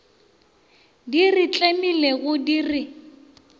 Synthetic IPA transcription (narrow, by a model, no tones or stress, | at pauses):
dirɪt͡ɬʼemileɣʊdirɪ